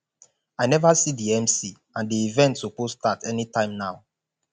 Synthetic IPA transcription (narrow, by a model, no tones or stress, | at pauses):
aɪnɛvasidiɛ̃msi | ãndiivɛ̃ntopostatʰɛnitãɪ̃mnaʊ